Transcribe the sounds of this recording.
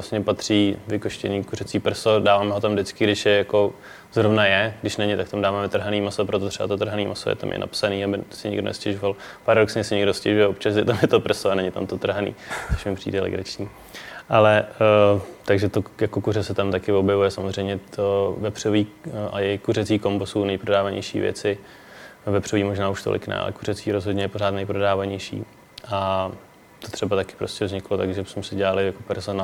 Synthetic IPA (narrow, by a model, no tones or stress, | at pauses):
asɲɛpat̪r̝̥iːvɪkoʃcɛ̰niːkurɛt͡siːpr̩sodaːvaːmɛɦot̪amdɪt͡skɪɡdɪʃjɛjako̞ | zɾovnajɛɡdɪʃnɛɲɪt̪akt̪amdaːvaːmɛt̪r̩ɦaniːmasopɾot̪ot̪rɛba̰t̪ot̪r̩ɦaniːmʔaso̰jɛ̰t̪a̰mjɛ̰na̰psaniːabɪsɪɲɪ̰ɡdo̰nɛ̰scɛʒovalpaɾadoksɲɛsɪɲɪɡdoscɛʒujɛopt͡ʃasɪt̪amjɛt̪opr̩soanɛɲɪt̪amt̪ot̪r̩ɦanḭːt͡soʃmɪpr̝̥ḭːdɛlɛ̰ɡɾat͡ʃɲiː | ʔalɛ | t̪aɡʒɛt̪ojako̞kurɛsɛt̪amt̪akɪvo̞bjɛvujɛsamozr̝ɛjmɲɛovɛpr̝̥oviːʔajɛjkurɛt͡siːkombosuːnɛjpɾodaːvaɲɛ̰jʃḭːvjɛ̰t͡sɪ | vɛpr̝oviːmo̞ʒnaːuʃt̪olʔɪ̰knɛ̰a̰lɛ̰kurɛt͡siːɾozɦodɲɛjɛpor̝aːt̪nɛjpɾodaːvaɲɛjʃḭː | ʔa | t̪ot̪r̥ɛbat̪akɪ̥pɾoscɛvzɲɪklot̪aɡʒɛbsmɛsɪɟɛlalɪjakopɛɾzona